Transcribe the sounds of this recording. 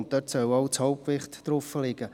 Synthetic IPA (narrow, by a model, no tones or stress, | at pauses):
ntd̥œtsœlɑʊt͡shɔʊp̚pkvɪχtd̥rʊfəlɪɡ̥ə